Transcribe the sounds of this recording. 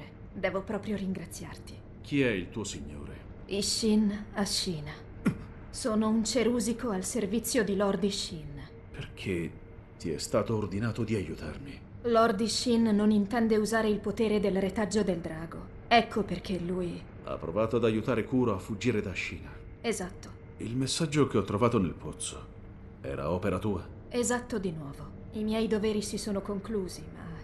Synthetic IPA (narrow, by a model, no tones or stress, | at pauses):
e | d̪ɛːvopɾɔːpɾjoɾiŋɡɾat̪sːjart̪i̥ | k̟ʰiɛilt̪uːosiɲːo̰ːɾe | iʃinaʃːiːna | soːnount͡ʃeɾuːzikoalservit̪sːjod̪ilɔrd̪iʃin | pʰerkʰe | t̪iɛ̰st̪aːt̪oːrd̪inaːt̪od̪iajut̪a̰rmi | lɔrd̪iʃinːonint̪ɛnd̪euzaːɾeilpot̪eːɾed̪elret̪ad͡ʒːod̪eld̪ɾaːɡo | ɛkːoperkʰelːuːj | a̰pːɾovaːt̪oad̪ajut̪aːɾekuːɾoafːud͡ʒːiːɾed̪aʃːiːna | ezat̪ːo̥ | ḭlmesːad͡ʒːok̟eɔt̪ːɾovaːt̪onelpʰot̪so | ɛ̰ːɾa̰ɔːpeɾat̪uːa | ezat̪ːod̪inwɔːvo | imjɛjd̪oveːɾisisoːnokoŋkluːzima̰